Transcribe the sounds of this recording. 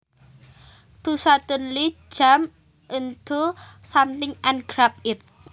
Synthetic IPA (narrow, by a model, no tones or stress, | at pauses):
t̪usat̪unli̥d͡ʒ̥a̤m | ʔənd̪̥osamt̪ɪŋanɡɾap̚ɪt̪̚